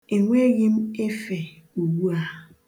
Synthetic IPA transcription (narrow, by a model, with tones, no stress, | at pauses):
e˨ŋʷe˦ɣɪ˦m̩˦e˦fe˨ | u˨wu˦a˨